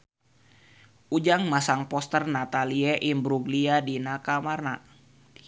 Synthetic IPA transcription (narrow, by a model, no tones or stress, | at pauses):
ʔud͡ʒaŋmasaŋpɔst̪ərnat̪aliɛʔimbɾuɡliadinakamarna